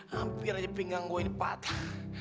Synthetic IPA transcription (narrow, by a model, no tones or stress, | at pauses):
ampiɾaapiŋaŋɡoinipa̰t̪ʰa